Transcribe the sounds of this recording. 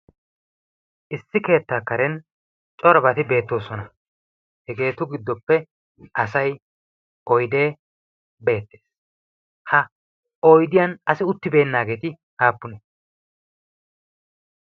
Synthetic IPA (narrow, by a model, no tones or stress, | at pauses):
ʔɪsːɪke̞ːt̪ːaːkːɐɾɛn | t͡ʃʼɔɾɐbɐt̪ɪbe̞ːt̪ːo̞ːsɔnɐ | hɛɡe̞ːt̪ʊɡɪd̪ːɔpːɛ | ʔɐsɐj | ɔjd̪e̞ː | be̞ːt̪ːeːs | hɐ | ɔjd̪ɪjɐnɐsɪʊt̪ːɪbe̞ːnːaːɡe̞ːt̪ɪ | haːpːʊnɛ